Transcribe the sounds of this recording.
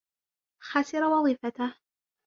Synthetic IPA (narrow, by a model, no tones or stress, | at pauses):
xasɪɾawɑðˤiːfat̪ah